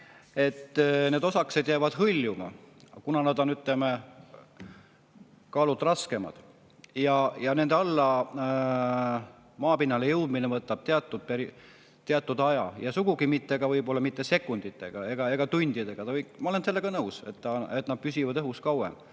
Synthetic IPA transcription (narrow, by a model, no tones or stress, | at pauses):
e̞t̪ːˑne̞ːd̪o̞sɑkse̞d̪jæːvɑd̪̥ɦɯlʲjumɑ̰kunɑnɑd̪o̞nyt̪leme | kɑːlud̪rɑske̞mɑ̰d̪̥ | jɑjɑne̞nd̪eɑlːɑ | mɑːpinːɑlejɤwd̪̥minevɤt̪ːˑɑb̥̚t̪eɑt̪ːˑud̪̥̚peɾi | t̪ːeɑt̪ːˑud̪̥ɑjɑjɑsuɡ̥uɡimit̪ːeɡ̥ɑvɤjbo̞lːɑmit̪ːe̞se̞kːˑund̪it̪ːˑe̞ɡ̥ɑe̞ɡ̥ɑe̞ɡ̥ɑt̪unʲd̪̥id̪e̞ɡ̥ɑt̪ɑvɤjkmɑo̞lense̞lːe̞ɡ̥ɑnɤwse̞̰t̪ːɑet̪nɑd̪̥̚pysʲivɑd̪ɤɦuskɑwḛm